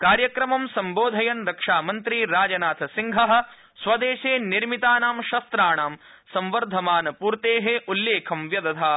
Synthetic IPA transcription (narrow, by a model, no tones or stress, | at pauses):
kaːɾjɐkɾɐmɐmsɐmboːd̪ʱɐjɐnɾɐkʂaːmɐnt̪ɾiɾaːd͡ʒɐnaːt̪ʰɐsiŋɡʱɐɦɐ̆ | sʋɐd̪eːʃeːniɾmit̪aːnaːmʃɐst̪ɾaːɳaːm | sɐ̃mʋɐɾd̪ʱɐmaːnɐpuːɾt̪eːɦeʔulːeːkʰɐmʋjɐd̪ɐt̪ʰaː